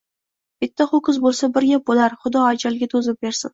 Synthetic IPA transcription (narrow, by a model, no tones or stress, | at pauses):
b̥ɪt̪ʰːaχʊkʊzbolˠsabɪɾɡʲap̚bolaɾχʊd̪ɒad͡ʒalɡʲat̪ʰɵzɪp̚beɾsɪ̰n